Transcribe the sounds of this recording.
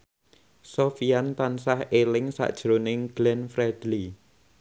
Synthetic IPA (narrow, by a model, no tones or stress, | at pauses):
sofijant̪ansahelɪŋsa̰ʔd̥ʒ̥ɾonɪŋɡ̥lɛnfɾɛd̪̥li